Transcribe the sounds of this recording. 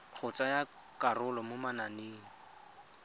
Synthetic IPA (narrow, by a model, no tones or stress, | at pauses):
q͡χʰʊt͡saja | karʊlɔmʊmananeːŋ̩